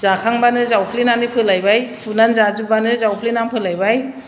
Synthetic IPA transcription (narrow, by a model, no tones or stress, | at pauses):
zakʰaŋbanɯzawpʰlinanipʰɯlajbajpʰunanzazubanɯzawpʰlinampʰɯlajbaj